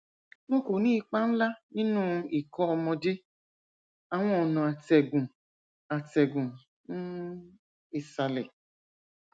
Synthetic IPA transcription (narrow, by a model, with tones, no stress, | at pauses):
nɔ̃˦ko˨nĩː˦i˧k͡pa˦n̩˦la˦nĩ˦nũː˦i˨kɔ̃˧ɔ˧mɔ̃˧de˦ | a˨w̃ɔ̃˦ɔ˨nɔ̃˨a˨tɛ˨ɡũ˨ | a˨tɛ˨ɡũ˨ | n̩˦ | e˨sa˧lɛ˨